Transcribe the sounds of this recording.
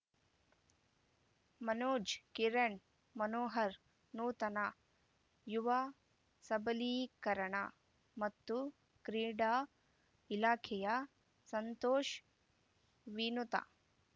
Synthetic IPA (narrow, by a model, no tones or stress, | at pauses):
mɐnoːd͡ʒkiɾɐɳ | mɐnoːɦɐɾ | nuːt̪ɐna | juʋaː | sɐbɐliːkɐɾɐɳa̰ | mɐt̪ːu | kɾiːɖaː | ilaːkʰɛjɐ | sɐnt̪oːʃ | ʋinut̪a̰